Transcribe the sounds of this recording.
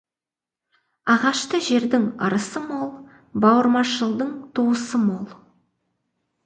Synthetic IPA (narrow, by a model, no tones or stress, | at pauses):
ɑʁɑʃt̪əʒe̞ɾd̪ɪŋəɾəsəmolˠ | bɑwəɾmɑʃəlˠd̪əɴt̪ʰuwəsəmolˠ